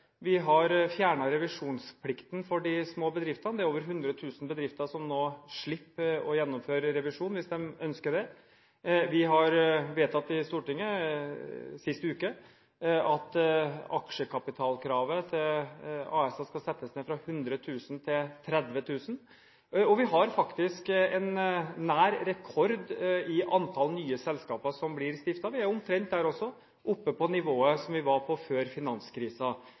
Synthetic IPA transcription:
ʋɪɦɑɾfjæːɳɑɾɛʋɪʂuːnspʰlɪkt̪nfɔɖɪsmoːbəd̪ɾɪft̪ɑnd̪ɛæɾoːʋəɾɦʉnd̪ɾət̪ʰʉːsn̩bəd̪ɾɪft̪ɑʂɔmnoːʂɭɪpːɔjɛnːɔmføːɾəɾɛʋɪʂuːnʋɪsd̪ɛmœnskəd̪ɛ | ʋɪɦɑɾʋeːt̪ʰɑt̪ːɪst̪uːʈɪŋːə | sɪst̪əʉːkə | ɑt̪ɑ̰kʂəkʰɑpɪt̪ʰɑːlkʰɾɑːʋət̪ʰɪlɑ̰ːɛsɑskɑsɛt̪ːəsneːfɾɑhʉnd̪ɾət̪ʰʉːsn̩t̪ʰɪlt̪ʰɾɛd̪ʋət̪ʰʉːsn̩ | ɔʋɪɦɑɾfɑkt̪ɪskɛnːæːɾɾɛkʰɔɾd̪ɪʔɑnt̪ʰɑlnyːəsɛlskɑːpəɾʂɔmblɪɾst̪ɪft̪ɑʋɪæɾʊmt̪ʰɾɛnt̪̚d̪æːɾɔsːɔ | ʔʊpːəpʰɔnɪʋoːəsɔmʋɪʋɑɾpʰɔføːɾfɪnɑnskɾiːsɑ

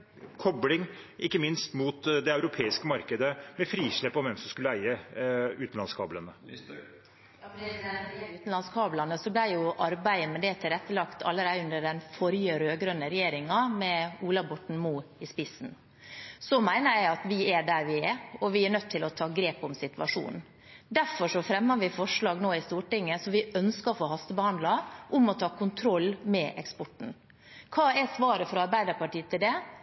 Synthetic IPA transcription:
kʰɔblɪŋʔɪkːəmɪnst̪muːt̪d̪ɛɑʉɾʊpʰeːɪskəmɑɾkəd̪əmɛfɾiːʂɭɛpːɔʋɛmsɔmskʉlːəæɪəʉːt̪n̩lɑnskʰɑːblənə | ʉːt̪n̩lɑnskʰɑːblɑnəsɔblæɪjʊʔɑɾbæɪəmɛd̪ɛt̪ʰɪlɾɛt̪ːəlɑkt̪ʰɑlːəɾæɪʉnd̪əɖɛnfɔɾjəɾøːɡɾœnːəɾɛjeːɾɪŋɑmɛuːlɑbɔʈɳ̩muːɪspɪsn̩ | sɔmæɪnəɾjæɪɑt̪ʋɪɛɖæɾʋɪɛɔʋɪæɾɳnœt̪ʰːɪlɔt̪ʰɑːɡɾeːpʊmsɪt̪ʋɑʂṵːnn̩ | d̪æɾfɔʂɔfɾɛmːɑʋɪfɔʂɭɑːɡnoːɪst̪uːʈɪŋːəsɔmʋɪœnskəfoːɦɑst̪əbəhɑnd̪lɑʔʊmɔt̪ʰɑːkʊnt̪ʰɾɔlːmɛʔɛ̰kspɔʈɳ̩ | kʰɑːɛsʋɑːɾəfɾɔɑɾbæɪd̪əɾpɑʈiːət̪ʰɪld̪ɛ

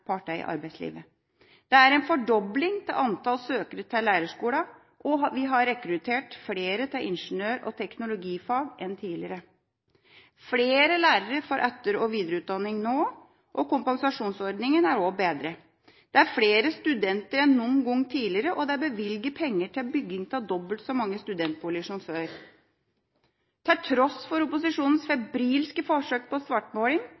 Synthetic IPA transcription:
pʰɑːʈɑɪ̰ʔɑ̰ɾbæɪt̪slḭːʋə | d̪̥ɛæɾɛnfɔɖɔblɪŋt̪ʰɪ̰lɑnt̪ɑlsøːkəɾət̪ʰɪlːæːɾəʂkuːlɑ | ʔɔʋɪɦɑɾɛkɾʉt̪ʰeːʈfleːɾət̪ʰɪlʔɪ̰nʂənøːɾɔ̰t̪ʰɛknʊlʊɡiːfɑːɡʔɛnt̪ʰiːlɪ̰ɾə | fleːɾəlæːɾəɾəfɔɾʔœt̪ːəɾɔʋiːd̪ɾəʉːt̪̚d̪ɑnːɪŋnoː | ʔɔkʊmpɑŋsɑʂuːnsɔɾɖ̪nɪŋənæɾoːbeːd̪ɾə | d̪̥ɛæɾfleːɾəst̪ʉd̪ɛnt̪əɾɛnːʊnɡɔŋːt̪ʰiːlɪɾəʔɔd̪ɛæbəʋɪlɡəpʰɛŋːəʈʰɪlbʏɡːɪŋt̪ʰɑld̪ɔbəlt̪sɔmɑŋːəst̪ʉd̪ɛnt̪̚buːlɪəʂɔmføːɾ | t̪ʰɛlt̪ʰɾɔsfɔɾʊpʊsɪʂuːnn̩sfɛbɾiːlskəfɔʂøːk̚pʰɔsʋɑʈːmoːlɪŋ

